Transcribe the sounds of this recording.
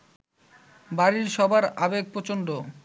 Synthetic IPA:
baɾiɾʃɔbʱaɾabeɡ̚pɾot͡ɕonɖ̪o

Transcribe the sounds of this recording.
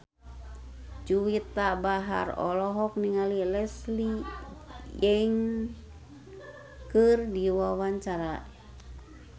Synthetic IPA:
d͡ʒuwit̪abaɦa̰rɔ̰lɔɦɔk̚niŋalilɛsli | jɛŋ | kɨrdiwawaɲt͡ʃaɾa

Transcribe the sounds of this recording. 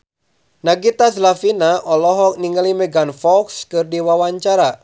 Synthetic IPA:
naɡit̪aslafinaʔɔlɔɦɔk̚niŋalimɛɡanfɔlkskɨrdiwawaɲt͡ʃaɾa

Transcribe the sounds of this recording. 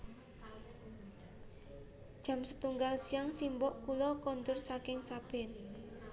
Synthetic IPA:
d̥ʒ̥a̤msət̪uŋɡalsiaŋsimbɔʔkulɔkɔnt̪ʊrsakɪŋsab̥ɛn

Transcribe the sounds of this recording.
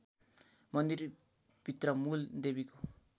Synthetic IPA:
mʌnd̪ir | b̥ʱit̪rʌmuld̪ebiko

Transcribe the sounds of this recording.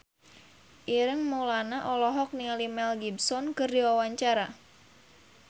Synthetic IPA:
ʔiɾəŋmolanaʔɔlɔɦɔk̚nilimɛlɡibsɔnkɨrdiwawaɲt͡ʃaɾa

